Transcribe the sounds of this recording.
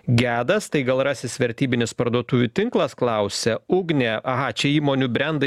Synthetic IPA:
ɡʲæːd̪ɐst̪ɐɪɡɐlˠɾɑːsʲɪsʋʲɛɾʲt̪ʲiːbʲɪnʲɪspɐɾd̪uɔt̪uːʋʲut̪ʲɪŋklˠɐsklˠɐʊsʲɛʊɡnʲɛɐɦɑt͡ʃʲɛiːmoːnʲʊbʲɾʲɛnd̪ɐ

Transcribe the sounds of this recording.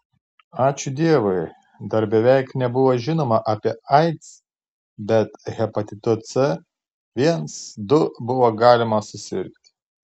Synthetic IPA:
ɑːt͡ʃʲʊd̪ʲiɛʋɔɪ | d̪ɐɾbʲɛʋʲɛɪknʲɛbʊʋoʒʲɪnoːmɐʔɑːpʲiɛɐɪt̪s | bʲɛt̪ɣʲɛpɐt̪ʲɪt̪ot̪sɛ | ʋʲiɛnsd̪ʊbʊʋoːɡɑːlʲɪmɐsʊsʲɪ̰ɾʲkʲt̪ʲ

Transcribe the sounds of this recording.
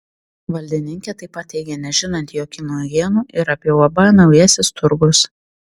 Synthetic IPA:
ʋɐlʲd̪ʲɪnʲɪŋʲkʲɛt̪ɐɪpːɐt̪ʲɛɪɡʲenʲɛʒʲɪnɐnt̪ʲjoːkʲɪnuːjiɛnuːʔɪɾɐpʲjɛʊɐbɐnɐʊjæːsʲɪst̪ʊɾɡʊs

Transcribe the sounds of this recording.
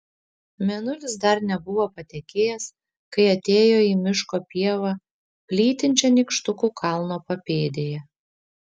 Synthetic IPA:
mʲɛnʊlʲɪsd̪ɐɾnʲɛbʊʋoːpɐt̪ʲɛkʲeːjɛs | kɐɪɐt̪ʲeːjoːiːmʲɪʃkoːpʲiɛʋɐ | pʲlʲiːt̪ʲɪnʲt͡ʃʲɛnʲɪkʃt̪ʊkuːkʰɐlˠnoːpɐpʲeːd̪ʲejɛ

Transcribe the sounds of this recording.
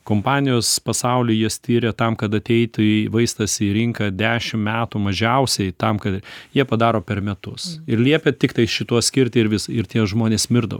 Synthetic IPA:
kompɑːnʲɪjoːspɐsɐʊlʲɪjist̪ʲiːɾʲɛt̪ɐmkɐt̪ɐt̪ʲɛɪt̪ʲɪʋɐɪst̪ɐsʲiɾʲɪŋkɐd̪ʲæːʃʲɪmmʲæːt̪umɐʒʲɛʊsʲɛɪt̪ɐmkɐt̪jiɛpɐd̪ɑːɾoːpʲɛɾmʲɛt̪ʊsɪɾlʲiɛpʲet̪ʲɪkt̪ɐɪʃʲɪt̪uɔsʲkʲɪɾʲt̪ʲɪːɪɾʋʲɪsɪɾt̪ʲiɛʒmoːnʲeːsmʲɪɾd̪ɐ̰ʋɐ

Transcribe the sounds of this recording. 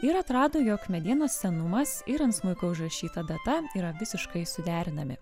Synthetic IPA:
ɪɾɐt̪ɾɑːd̪oːjɔkmʲɛd̪ʲiɛnoːsːʲɛnʊmɐsɪɾɐnt̪smʊlkoʊʒɾɐʃʲiːt̪ɐd̪ɐt̪ɐiːɾɐʋʲɪsʲɪʃkɐɪsʊd̪ʲæːɾʲɪnɐmʲɪ̰

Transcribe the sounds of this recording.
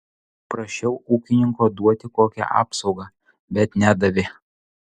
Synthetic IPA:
pɾɐʃʲɛʊuːkʲɪnʲɪŋkoːd̪uɔt̪ʲɪkoːkʲɛ̰ʔɑ̰ːpsɒʊɡɑ | bʲɛt̪nʲæːd̪ɐʋʲɪ

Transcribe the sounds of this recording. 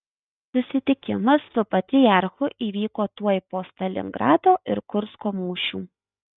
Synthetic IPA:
sʊsʲɪt̪ʲɪkʲɪmɐsːʊpɐt̪ʲɪjɑɾxʊʔiːʋʲiːkoːt̪uɔɪpoːst̪ɐlʲɪ̰ŋɡɾɑːd̪oːʔɪɾkʊɾskoːmuːʃʲuː

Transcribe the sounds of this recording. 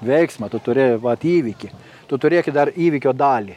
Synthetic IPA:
ʋʲɛɪksmɐt̪ʊt̪ʊɾʲɪʋɐt̪ʲiːʋʲikʲɪ | t̪ʊt̪ʊɾʲeːkʲɪd̪ɐriːʋʲikʲoːd̪ɑːlʲi

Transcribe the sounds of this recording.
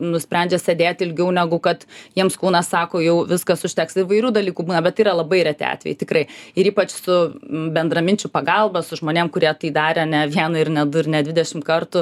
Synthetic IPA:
nʊsʲpʲænʲd͡ʒʲɛsʲɛd̪ʲeːt̪ʲɪlʲɡʲɛʊnʲæɡʊkɐt̪jiɛmskuːnɐssɑːkoːjɛʊʋʲɪskɐsʊʃʲt̪ʲæksɪʋɐɪɾʲuːd̪ɐlʲiːkuːbuːnɐbʲɛt̪iːɾɐlˠɐbɐɪɾʲɛt̪ʲḛɑ̰ːt̪ʲʋʲɛ̰jɪt̪ʲɪkɾɐɪɪɾiːpɐt͡ʃsʊbʲɛnd̪rɐmʲɪnʲt͡ʃʲʊpɐɡɐlˠbɐsʊʒmoːnʲeːmkʊɾʲiɛt̪ɐːd̪ɑːɾʲɛɐnʲɛʋʲiɛnɐɪrnʲɛd̪ʊɾʲnʲɛd̪ʲʋʲɪd̪ʲɛʃʲɪmkɐrt̪ʊ

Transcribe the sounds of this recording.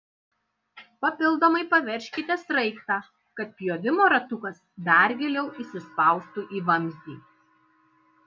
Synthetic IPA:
pɐpʲɪlˠd̪oːmɐɪpɐʋʲɛɾʲʃʲkʲɪt̪ʲɛsɾɐɪkt̪ɑː | kɐt̪̚pʲjoːʋʲɪmoːɾɐt̪ʊkɐsd̪ɑˑɾʲɡʲɛlʲɛʊʔiːsʲɪspɐˑʊst̪uːʔiːʋɐmʲzʲd̪ʲḭː

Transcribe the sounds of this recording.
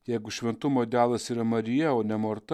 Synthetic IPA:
jɛɪɡʊʃʲʋʲɛnt̪ʊmoːd̪ʲæːlˠɐsiːɾɐmɐɾʲɪjɛoːnʲɛmoːɾt̪ɐ

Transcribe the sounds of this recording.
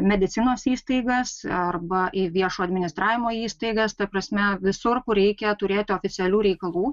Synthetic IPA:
mʲɛd̪ʲɪt̪sʲɪnoːsiːst̪ɐɪɡɐsɐrbɐʔɪʋʲiɛʃuːɐd̪ʲmʲɪnʲɪst̪ɾɑːʋʲɪmoːiːst̪ɐɪɡɐst̪ɐpɾɐsʲmʲɛʋʲɪsʊrkʊɾʲɛɪkʲɛt̪ʊɾʲeːt̪ʲɪoːfʲɪt̪sʲɪɛlʲuːɾʲɛɪkɐlˠuː

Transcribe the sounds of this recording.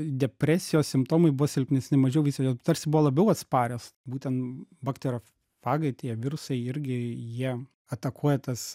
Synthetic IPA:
d̪ʲɛpʲɾʲæːsʲɪjoːssʲɪmpt̪oːmɐɪbʊʋɔsʲɪlʲpʲnʲɛsʲnʲɛmɐʒʲɛʊʋʲɪsʲjoːt̪ɐɾʲsʲɪbʊʋɔlˠɐbʲɛʊɐt̪spɑːɾʲoːsbuːt̪ʲɛnt̪bɐkt̪ʲɛɾʲoː | fɑːɡɐɪt̪ʲiɛʋʲɪɾʊsɐɪɪɾʲɡʲɪjiɛ | ɐt̪ɐkʰuɔjɛt̪ɐs

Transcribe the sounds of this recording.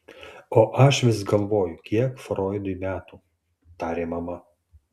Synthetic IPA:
oːʔɐʃʋʲɪsɡɐlˠʋoːjʊkʲʰiɛkfɾoːjd̪ʊimʲæːt̪uː | t̪ɑːɾʲeːmɐmɐ

